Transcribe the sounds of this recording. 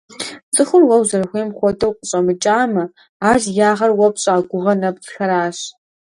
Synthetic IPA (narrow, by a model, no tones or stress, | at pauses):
t͡sʼɨxʷʊrwɐwzɐrxʷeːmχʷɔtʰɐwqʷʼəɕʼɐmɨt͡ʃʼaːmɐ | aːʒjaːʁɐrwɐpɕʼaːɡʷʊʁɐnɐpt͡sxɐɾaːɕ